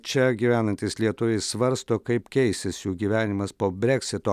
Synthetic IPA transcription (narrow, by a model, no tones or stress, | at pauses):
t͡ʃʲɛɡʲiːʋʲæːnɐnʲt̪ʲɪslʲiɛt̪ʊʋʲɛɪssʋɐɾst̪oːkɐɪpkʲɛɪsʲɪsjuːɡʲiːʋʲæːnʲɪmɐspoːbʲɾʲɛksʲɪt̪oː